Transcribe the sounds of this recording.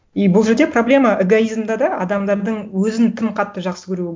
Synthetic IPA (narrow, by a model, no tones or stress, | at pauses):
ijbʊlˠʒeɾd̪e̞problʲe̞mɑʔeɡoizmd̪ɑd̪ɑɑ̰d̪ɑmd̪ɑɾd̪əɴwɵzɪnt̪ʰɪmqʰɑt̪ːəʒɑqsəkʲʰɵɾuɪ